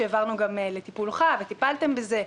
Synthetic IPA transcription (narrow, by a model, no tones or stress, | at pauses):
eːvaʁnuɡamele̞t̪ipulχavet̪ipalt̪e̞mbeze̞